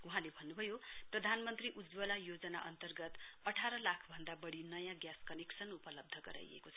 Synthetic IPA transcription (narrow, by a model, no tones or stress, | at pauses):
uɦãlebʱʌnːubʱʌjoprʌd̪ʱanmʌnt̪riʔud͡zwʌlajod͡zʌna̰ʔʌnt̪ʌrɡʌt̪ʌʈʰaɾʌlakʰbʱʌnd̪abʌɽinʌjãɡjaskʌneksʌnupʌlʌb̚d̪ʱʌɡʌ̰ɾa̰jḛkot͡sʰʌ